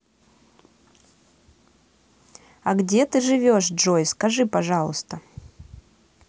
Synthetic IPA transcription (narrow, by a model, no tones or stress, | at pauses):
ɐɡdʲet̪ɨʐɨvʲoʂdʐojskɐʐɨpɐʐɑlˠəst̪ə